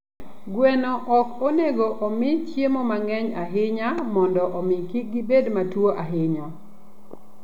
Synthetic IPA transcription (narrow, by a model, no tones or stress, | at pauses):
ɡwɛnɔʔɔkoneɡoʔɔmɪt͡ʃjemɔmaŋɛɲaɦɪɲamɔndɔʔɔmɪkiɡibedmatwoʔaɦɪɲɔ